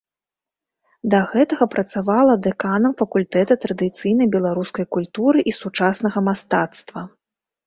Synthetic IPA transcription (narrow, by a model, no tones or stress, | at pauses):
d̪ɐɣɛt̪ɐɣɐpɾɐt̪savalˠɐd̪ɛkanɐmfɐkulʲt̪ɛt̪ɐt̪ɾɐd̪ɨt̪sɨjnɐjbʲɛlˠaɾuskɐjkulʲt̪uɾɨʔisut͡ʂasnɐɣɐmast̪at̪st̪vɐ